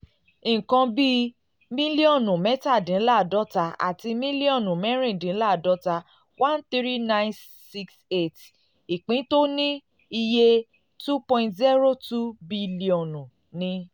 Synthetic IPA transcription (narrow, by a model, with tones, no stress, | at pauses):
ĩ˨kã˧bi˦ | mĩ˦li˦ɔ̃˦˨nũ˨mɛ˦ta˦˨dĩ˨˦la˦˨dɔ˦ta˧a̰˨ti˧mĩ˦li˦ɔ̃˦˨nũ˨mɛ˦ɾ̃ĩ˦˨dĩ˨˦la˦˨dɔ˦ta˧ | wã˦nt̪i˦ɾi˦nã˦˧j̃n | si˦kse˦˨t | i˨k͡pĩ˨˦to˦nĩ˦ | i˧je˧ | tu˦pɔ̃˧ĩ˧ntzi˦ɾo˦tu˦bi˧li˦ɔ˨nũ˨ | nĩ˧